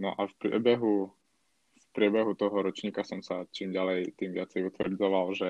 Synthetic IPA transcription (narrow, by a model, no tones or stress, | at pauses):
nɔ̰ʔafpɾɪɛ̰bɛɦu | fpɾɪɛbɛɦut̪ɔɦɔɾɔt͡ʃɲiːkasɔmsat͡ʃiːmɟalɛjt̪iːmʋɪat͡sɛjut̪ʋrd͡zɔʋalʒɛ